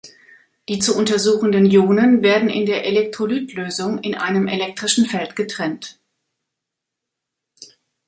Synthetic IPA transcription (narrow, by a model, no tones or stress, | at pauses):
d̥iːt͡suʔʊntɐzuːxn̩dənjoːnənveːɐdn̩ɪ̰ndeːɐʔelɛk̚tʁ̥olyːtʰløːzʊŋɪnʔaɪnəmʔelɛk̚tʁ̥ɪʃn̩fɛltɡ̥ətʁ̥ɛnt